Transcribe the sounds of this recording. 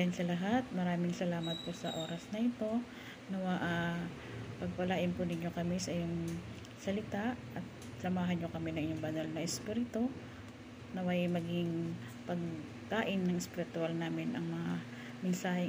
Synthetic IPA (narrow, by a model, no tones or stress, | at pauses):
ɐnsɐlɐɦat̪̚mɐɾaːmɪŋsɐlaːmɐt̪̚posɐʔo̞ːɾɐsnɐʔɪt̪o̞ | nɐwaʔa | pɐɡ̚pɐlaːʔɪnpʊnɪɲjo̞kɐmisɐjoŋ | sɐlɪt̪aʔʔɐt̪̚ | sɐmaːɦɐnɲo̞kɐmɛnɐŋʔɪɲːoŋbɐnɐlnɐʔɛspiːɾɪt̪o | nɐwɐjmɐɡɪŋ | pɐɡ | kaːʔɪnːɐŋʔɛspɪɾɪt̪ʊalnaːmɪnʔɐŋmɐŋa | mɪnsaːhɪ